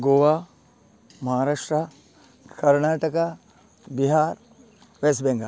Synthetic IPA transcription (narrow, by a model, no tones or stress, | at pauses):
ɡoːʋa | mɐɦaːɾaːʂʈɾa | kɐɾnaːʈɐka | biɦaːɾ | ʋes̬bẽŋɡʱa